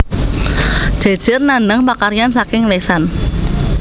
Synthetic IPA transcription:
d̥ʒ̥e̤d̥ʒ̥ɪrnanəŋpakaɾjansakɪŋlesan

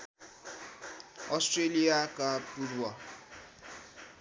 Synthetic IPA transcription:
ɔstreliakʼapuruwa

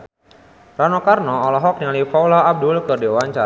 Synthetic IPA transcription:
ranɔkarnɔːlɔɦɔk̚nalifawlaab̚dʊlkɨrdewaɲt͡ʃa

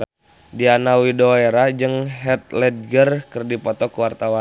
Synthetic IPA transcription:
dianawidoeɾad͡ʒɨŋɦɛt̪̚lɛd̪̚ɡərkərdipɔt̪ɔkuwart̪awa

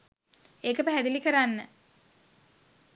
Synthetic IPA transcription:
eːkəpæɦæd̪ilikəɾanːə

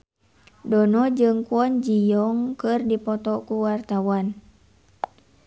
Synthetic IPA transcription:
dɔnɔd͡ʒɨŋkuɔnd͡ʒijɔŋkɨrdipɔt̪ɔkuwart̪awan

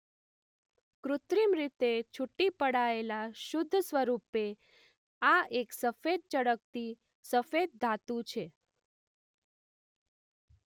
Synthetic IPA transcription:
kɾʊt̪ɾimɾit̪et͡ʃʰuʈːipəɽaelaʃʊd̪ʱːəsʋəɾupe | aeksəfed̪̚t͡ʃəɽək̚t̪i | səfed̪̚ːʱat̪ũt͡ʃʰe

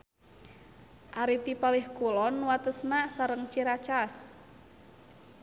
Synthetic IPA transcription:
ʔaɾit̪ipalihkulɔnwat̪əsnasaɾəŋt͡ʃiɾat͡ʃas

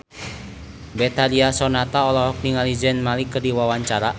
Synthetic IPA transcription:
bɛt̪aliasɔnat̪aɔlɔɦɔk̚niŋalid͡ʒɛnmalikədiwawaɲt͡ʃaɾa

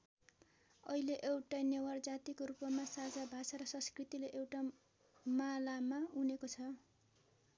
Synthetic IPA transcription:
ʌileʔewʈajnewʌrd͡zat̪ikoɾupʌmasad͡zabʱasaɾʌsʌ̃skrit̪ileʔewʈa | malamaunekot͡sʰʌ

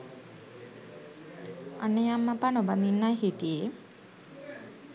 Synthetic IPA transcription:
anejamːapanɔbaninːajɦiʈie

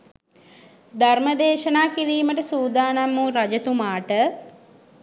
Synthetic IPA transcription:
d̪ʱarməd̪eːʃɐnaːkiɾiːməʈəsuːd̪aːnamːuɾɐd͡ʒɐt̪umaːʈə

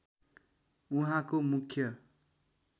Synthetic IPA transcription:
uɦãkomukʰjʌ

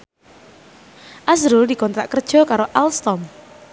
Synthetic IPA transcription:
ʔasɾuldi̤kɔnt̪ɾaʔkərd̥ʒ̥ɔ̤kaɾoʔalst̪ɔm

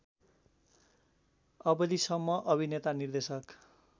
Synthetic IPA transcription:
ʌbʌd̪isʌmːʌʔʌbʱinet̪anird̪esʌk

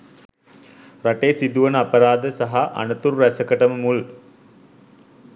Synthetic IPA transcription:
rɐʈesid̪uʋənəapəɾaːd̪əsaɦaʔa̰nət̪uɾræsəkəʈəməmul

